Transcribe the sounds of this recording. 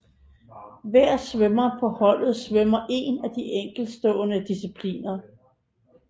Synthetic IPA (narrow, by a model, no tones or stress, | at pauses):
ʋæɐ̰sʋømɐpʰɒ̽hɒ̽l̰ð̞̩ˠsʋœmɐʔe̝ːnæd̥iʔeŋ̰ɡ̥l̩d̥sd̥ɔ̰̽ːnəd̥isipʰlḭːnɐ